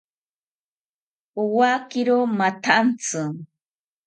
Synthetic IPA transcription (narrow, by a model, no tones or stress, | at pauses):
ʊwakiɾomat̪ʰant͡sɨŋ